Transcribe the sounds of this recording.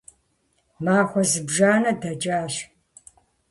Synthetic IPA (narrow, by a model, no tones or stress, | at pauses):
maːxʷɔzɨbʒaːnɐdɐt͡ʃʼaːɕ